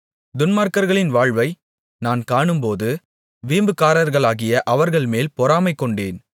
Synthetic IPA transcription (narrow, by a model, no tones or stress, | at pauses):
d̪ʊnmaːɾkɐɾɣɐɭɪnʋaːɻʋɐɪ | naːnkaːɳɯmpoːðɯ | ʋiːmbɯkːaːɾɐɾɣɐɭaːɣɪjɐʔɐʋɐɾɣɐɭmeːlpɔɾaːmɐɪkːɔɳɖeːn